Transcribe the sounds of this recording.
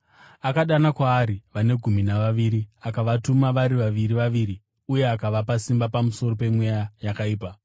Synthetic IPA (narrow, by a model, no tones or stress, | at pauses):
akaɗanakwaːɾiʋane̞ɡʱuminaʋaʋiːɾiakaʋatumaʋaɾiʋaʋiɾiʋaʋiːɾi | uje̞akaʋapasimbapamuso̞ro̞pe̞mwejajakaiːpa